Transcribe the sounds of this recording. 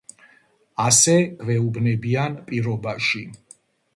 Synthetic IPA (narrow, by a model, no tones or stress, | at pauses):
asɛvɛubnɛbianpʼiɾɔbaʃi